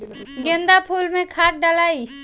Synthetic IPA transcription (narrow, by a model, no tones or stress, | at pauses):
ɡẽnd̪apʰuːlmẽkʰaːʈ̪̚ɖalaːi